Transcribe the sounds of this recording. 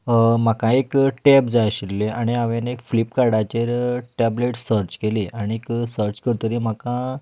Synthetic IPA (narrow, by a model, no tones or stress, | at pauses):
m̤akãekʈɛpd͡zajɕilːeʔaɽ̃iaʋenekflipkaɽat͡ɕeɾʈɛbleʈsəɾt͡ɕkeliʔaɽ̃ieksəɾt͡ɕkəɾt̪əɾiːm̤akã